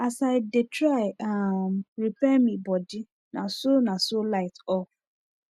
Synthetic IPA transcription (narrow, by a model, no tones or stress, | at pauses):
asaɪdetɹaɪamɹipɛmĩbɔdi | nasonasolaɪtɔf